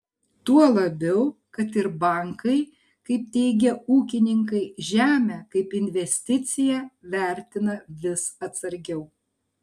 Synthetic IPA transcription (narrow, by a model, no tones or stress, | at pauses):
t̪uɔlˠɐbʲɛʊkɐt̪ɪɾbɐˑŋkʰɐɪ | kɐɪp̚t̪ʲɛɪɡʲɛuːkʲɪnʲɪŋk̬ɐɪʒʲæːmʲæːkɐɪpɪnʲʋʲɛsʲt̪ʲɪt̪sʲɪjæʋʲæˑɾʲt̪ʲɪnɐʋʲɪsɐt̪sɐɾʲɡʲɛʊ